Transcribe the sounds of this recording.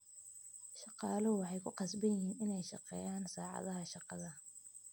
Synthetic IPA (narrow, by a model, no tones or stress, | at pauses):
ʃɑqɑːlɐʊwɑħɑjkʰʊqɑsbɛnɪhiːnɪnɛjʃɑqɛ̰ːjaːnsaːʕɑ̰ðɐɦɐʃɑqɑðɐ